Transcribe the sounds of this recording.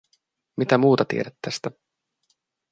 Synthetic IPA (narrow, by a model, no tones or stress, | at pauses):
mit̪æmuːt̪ɑt̪ḭeɾæt̪ːæst̪æ